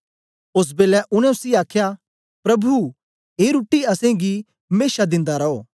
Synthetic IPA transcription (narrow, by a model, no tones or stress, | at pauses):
ʊs̬beːlɛʔʊñɛ̃ʊsiaːkʰja | pɾɐbʱu | ɦeːɾuʈːiɐsẽɡi | meːʃad̪ɪ̃nd̪aɾɐoː